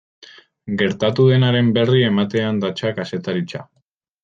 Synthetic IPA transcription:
ɡe̞ɾt̪at̪uðe̞naɾe̞mbe̞rie̞mat̪e̞and̪at͡ʃakase̞t̪aɾit͡ʃa

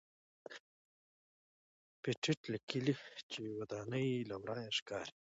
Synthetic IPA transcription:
piʈ͡ʂʰiʈlakilit͡ʃiwad̪ɑːnəjlawɾɑːjaʂkɑːɾi

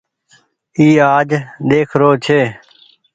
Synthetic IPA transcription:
iːaːd͡ʒd̪eːkʰɾoːt͡ʃʰeː

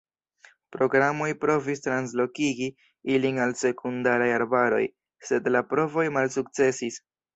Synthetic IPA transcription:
pɾo̞ɡɾamo̞jpɾo̞vistɾans̬lo̞kiɡi | ilinalse̞kʰundaɾajaɾbaɾo̞̰j | se̞dlapɾo̞vo̞jmalsuk̚t͡se̞sis

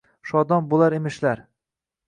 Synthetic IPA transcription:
ʃɒd̪ɒmbolˠaɾemɪʃlaɾ

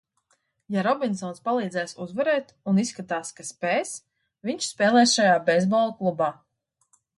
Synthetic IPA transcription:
jaɾɔbʲinsɔːnspalˠiːd̪zɛːsuzvɛɾɛːt̪ | unisːkat̪aːskaspɛːs | viɲʲt͡ʃspɛːlˠɛːsʃajaːbɛzbɔlˠklˠubaː

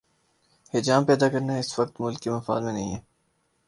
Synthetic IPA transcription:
hɪd͡ʒaːmpɛːd̪akɐɾnaɪsʋɐk̚t̪mʊlkːimɐfa̰ːd̪mẽnɐɦĩɦɛː

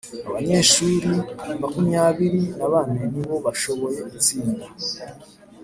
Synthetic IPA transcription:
aβaɲe̞ːʃuːɾimakumɲaːβiɾinaβaːnaniβo̞βaʃo̞βo̞je̞ɡut͡siːnda

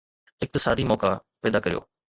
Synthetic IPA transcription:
ɪk̚t̪ɪsaːd̪iːmɔːkapɛːd̪aːkəɾɪjo̰ː

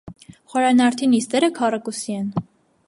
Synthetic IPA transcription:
χɔɾɑnɑɾt̪ʰinist̪ɛɾəkʰɑrɑkusiɛn

